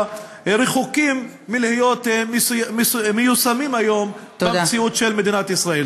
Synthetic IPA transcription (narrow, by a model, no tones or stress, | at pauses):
ɾeχukimː | ilhijo̞t̪ | mejusamimajo̞m | t̪ed̪et͡siut̪ʃelme̞d̪inat̪isʁael